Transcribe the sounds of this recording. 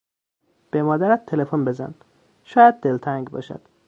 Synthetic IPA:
b̥emɒːd̪æɾæt̪̚ːʰe̞lefonbe̞zæ̰n | ʃɒːjæd̪̚ːe̞lt̪ʰæŋɡbɒ̰ːʃæ̰d̪̥

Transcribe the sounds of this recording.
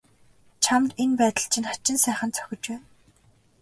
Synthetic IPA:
t͡ɕʰamt̪enpæːt̪ə̆ɬt͡ɕʰɪ̆nχat͡ɕɪ̆nsæːχə̆nt͡sʰœ̥xʲɪ̆t͡ɕpæːn

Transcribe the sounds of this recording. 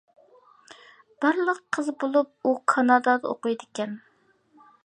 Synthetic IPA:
b̥ɑɾlˠəqʰːəzbolˠup̚ukʰɑnɑd̪ɑd̪ɑo̰qujd̪ɪkʲɛn

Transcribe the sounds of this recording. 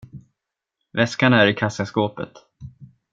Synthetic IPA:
vɛskaɳaæɾɪkʰasaskoːpə̰t̪

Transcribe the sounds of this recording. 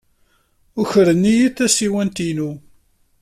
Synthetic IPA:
ʊçəɾənːijiθæsiwænt̪inu

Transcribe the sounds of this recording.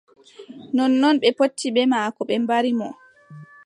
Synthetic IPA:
nɔnːɔnɓɛpotːiɓɛmaːkɔɓɛmbaɾimɔ

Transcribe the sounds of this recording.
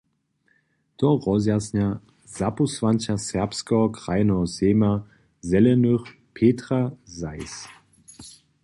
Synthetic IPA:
t̪ɔʁɔzjasɲa | zapusvant͡ɕasɛɐpskɛɦɔkʁajnɛɦɔzeːma | zɛlɛnøx | pʰeːtʁazajs

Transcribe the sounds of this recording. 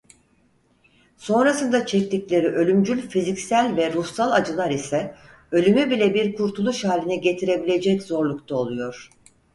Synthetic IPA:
so̞nɾasɯnd̪at͡ʃʰɛc̚t̪iclʲe̞ɾiʔø̞lʲymd͡ʒylʲfizicsælʲvɛɾusalˠad͡ʒɯlˠaɾisɛ | ø̞lʲymybilʲɛbiɾkʰuɾt̪ʰulˠuʃhaːlʲinɛɟe̞t̪ʰiɾe̞bilʲe̞d͡ʒɛczo̞ɾlˠukt̪ʰao̞lˠujo̞ɾ̥

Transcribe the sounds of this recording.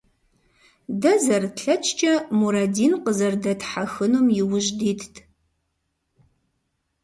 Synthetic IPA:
dɐzɐrɬɐt͡ʃʰʼt͡ʃʼɐmuɾɐdiːnqəzɐrdɐtħaxɨnumjɪwʊʒdiːtʰtʰ

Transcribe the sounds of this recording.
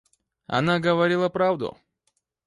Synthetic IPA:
ɐ̰naɡəvɐɾʲilˠəpɾavd̪ʊ̰

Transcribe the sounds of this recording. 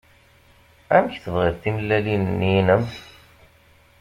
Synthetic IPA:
æməçθəvʁiɾθiməlːælinnːinəm

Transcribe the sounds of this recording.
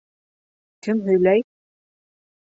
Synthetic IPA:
kʰɘmɦɵ̆jlæj

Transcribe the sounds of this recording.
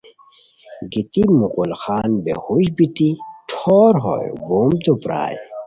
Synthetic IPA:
ɡit̪imuqulxaːnbḛhuɕbit̪iʈʰoːɾɦo̰j̰boːmt̪upɾa̰ːj

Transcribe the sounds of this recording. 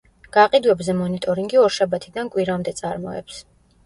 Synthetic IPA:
ɡ̥aqʼid̪uɛbzɛmɔnit̪ʼɔɾiŋɡiɔɾʃabat̪ʰid̪ankʼwiɾamd̪ɛt̪sʼaɾmɔ̰ɛ̰ps

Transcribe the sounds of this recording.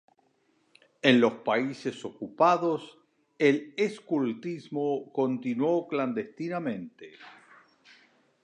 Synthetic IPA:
enlo̞spaisesokupaðos | eleskult̪izmokont̪inwokland̪est̪inamẽnt̪e

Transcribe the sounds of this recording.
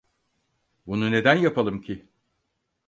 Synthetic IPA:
bunune̞d̪ænjapʰalˠɯmcʰi

